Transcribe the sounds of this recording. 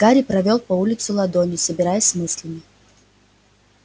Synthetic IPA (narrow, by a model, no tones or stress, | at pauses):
ɡ̥aɾʲɪpɾɐvʲo̞lˠpɐulʲɪt̪sʊlˠɐd̪onʲɪjʊsəbʲɪɾajəsʲmɨsʲlʲəmʲɪ